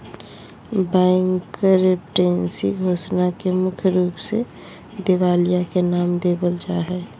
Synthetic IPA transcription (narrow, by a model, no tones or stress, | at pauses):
bɛ̃ŋkəɾepʈeːnsḭɡʱoːsnakemʊkʰjɾuːpse | d̪eʋaːlijakenaːmd̪eːbəld͡ʒaɦɛː